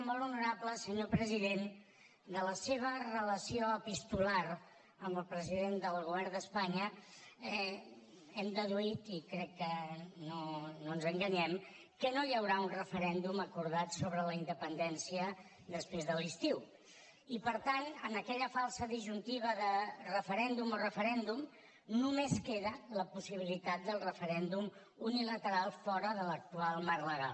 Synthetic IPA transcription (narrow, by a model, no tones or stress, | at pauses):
molˠunuɾapləsəɲopɾəziðen | d̪ələseβ̞ərələsioəpist̪ulaɾ | əməlˠpɾəziðend̪əlˠɣ̞uβɛɾnd̪əspaɲəɛ | ɛmd̪əðuit̪ikɾɛkːənononzəŋɡəɲɛm | kənojəwɾaunrəfəɾɛnd̪uməkuɾðat̪soβɾələind̪əpənd̪ɛnsiə | d̪əspɾezðəlist̪iw | ipəɾt̪anənəkɛʎəfalˠsəðiʒunt̪iβ̞əðərəfəɾɛnd̪umorəfəɾɛnd̪um | numeskeðələpusiβ̞ilit̪at̪̚d̪əlˠrəfəɾɛnd̪um | unilət̪əɾalˠfɔɾəðələk̚t̪ualˠmaɾləɣa̰l